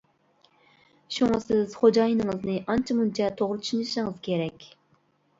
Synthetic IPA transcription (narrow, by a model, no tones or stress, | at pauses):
ʃuŋɑsɪz̥χod͡ʒɑjinɨŋɨznɨʔɑnt͡ʃʰɑmunt͡ʃʰɑt̪ʰoʁɾɨt̪ʰy̥ʃinɨʃɪŋɨz̥kʲʰeɾɛkʲ